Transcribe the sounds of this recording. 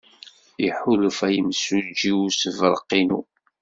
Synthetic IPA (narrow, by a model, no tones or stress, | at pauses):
iħulfæjəmsud͡ʒiusəvəɾˤəqːinu